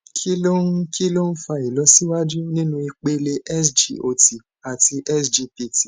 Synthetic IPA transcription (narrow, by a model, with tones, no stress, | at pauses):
kʰi˦lo˦n̩˦kʰi˦lo˦n̩˦fa˧i˨lɔ˨˧˦si˦wa˦d͡ʒu˦nĩ˦nũ˧i˧k͡pe˧le˧ʔɛ˦sd͡ʒḭ˨o˨ti˨ | a˨ti˧ʔɛ˦sd͡ʒi˧pi˨ti˨